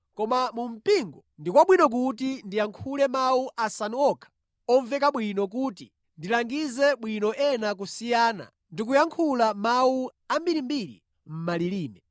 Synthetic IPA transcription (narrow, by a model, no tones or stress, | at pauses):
kɔmamum̩piŋɡɔndikwaɓwinɔk̬utindijaŋkʰulɛmauʔasanɔkʰḁ | ɔɱvɛkaɓwinɔk̬uːti | ndilaŋɡizɛɓwinɔʔɛnak̬usijaːna̰ | ndik̬ujaŋkʰulamauambiɾimbiɾḭ | m̩maliliːmɛ